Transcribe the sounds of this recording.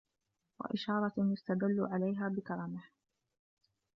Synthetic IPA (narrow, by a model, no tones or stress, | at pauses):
wa̰ʔɪʃɑːɾˤɑjʊst̪ad̪alːʊʕalajɦaːbɪkɑɾˤɑmɪh